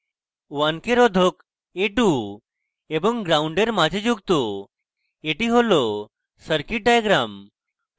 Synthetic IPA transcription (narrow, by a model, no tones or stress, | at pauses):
ʋankeɾɔd̪ʱok | eʈu | ebəŋɡɾauɳɖeɾmad͡ʑʱed͡ʑuɡt̪o | eʈiɦolɔ | səɾkiʈ̚ɖajɡɾam